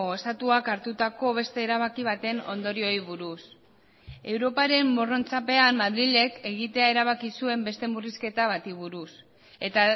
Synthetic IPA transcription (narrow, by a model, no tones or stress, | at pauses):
est̪at̪uakaɾt̪ut̪ako̞β̞e̞st̪e̞ːɾaβ̞akiβ̞at̪e̞no̞̰nd̪o̞ɾio̞iβuɾus | e̞wɾo̞paɾe̞mboro̞nt͡sape̞amːaðɾiʎe̞ke̞ɣit̪e̞aeɾaβ̞akisue̞mbe̞st̪e̞muriske̞t̪aβ̞at̪iβuɾus | e̞t̪a